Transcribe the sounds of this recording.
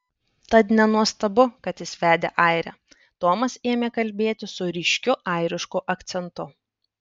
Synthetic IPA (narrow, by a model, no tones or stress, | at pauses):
t̪ɐt̪nʲɛnuɔst̪ɐbʊkɐt̪ɪsʲʋʲæːd̪ʲḛːʔɐɪɾʲɛ̰ː | t̪oːmɐseːmʲeːkɐlʲbʲeːt̪ʲɪsʊɾʲɪʃʲkʲʊʔɐɪɾʲɪʃkuːʔɐkt̪sʲɛnt̪ʊ